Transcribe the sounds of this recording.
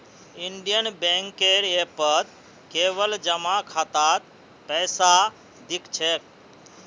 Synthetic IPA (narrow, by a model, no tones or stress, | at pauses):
iɳɖijənbeŋkeɾepət̪ | keːʋəld͡ʒəmakʰat̪at̪̚ | pɛːsa | d̪ikt͡ʃʰek̚